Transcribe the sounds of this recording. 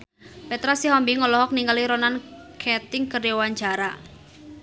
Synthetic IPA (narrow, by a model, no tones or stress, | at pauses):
pɛt̪ɾasiɦɔmbiŋɔlɔɦɔk̚niŋɡaliɾɔnankʰɛt̪ɪŋkədewaɲt͡ʃaɾa